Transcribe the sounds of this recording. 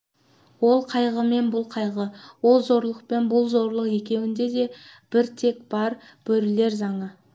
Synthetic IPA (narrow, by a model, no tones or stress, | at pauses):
wo̞lˠqʰɑjʁəme̞nbʊlˠqʰɑjʁəwo̞lˠzo̞ɾlˠəq̚pe̞nbʊlˠzo̞ɾlˠəqe̞kʲe̞wɪnd̪e̞d̪e̞ | b̥ɪɾt̪ʰe̞kb̥ɑɾ | b̥ɵɾɪle̞ɾzɑɴə